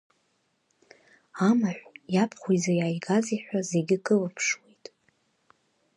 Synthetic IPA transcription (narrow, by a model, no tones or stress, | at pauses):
amaħʷjapʰχʷujzajaːjɡaziħʷᶣaze̞ɡʲɪkʰʼɨlapʰʂwe̞jtʼ